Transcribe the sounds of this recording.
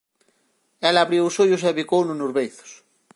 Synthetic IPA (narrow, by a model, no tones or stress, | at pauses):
ɛlaβɾiwʊsoʎʊs̬eβikownunozβejθʊ̥s